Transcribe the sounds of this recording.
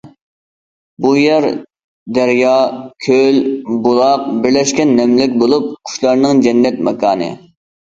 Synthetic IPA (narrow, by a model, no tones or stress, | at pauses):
bujɛɾ | d̪ɛɾjɑkʲʰølbolˠɑq̚bɪɾlɛʃkʲɛnːɛmlɪkʲbolˠup̚kʰu̥ʃlˠɑɾnɨŋd͡ʒɛnːɛt̪̚mɛkʰɑːnɨ̰